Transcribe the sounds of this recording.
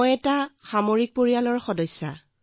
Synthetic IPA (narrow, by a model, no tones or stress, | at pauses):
ɔjɛtaxamoɹik̚poɹijalɔɹxɔdɔjsːa̰